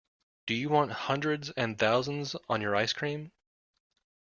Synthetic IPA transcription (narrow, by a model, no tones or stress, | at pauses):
d̥ɨjɨwɑ̃nt̚hʌ̃ndɹɨdzɨ̃nθaʊzə̃n̩zn̩jə˞aɪskʰɹ̥ĩm